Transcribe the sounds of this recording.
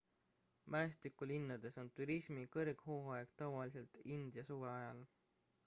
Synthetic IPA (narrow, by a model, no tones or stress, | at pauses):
mæest̪ikːˑulinːɑd̪̥e̞so̞nt̪uɾisʲmikɤrɡ̥hoːɑeɡ̥t̪ɑvɑlise̞lt̪ind̪̥jɑsuve̞ɑjɑl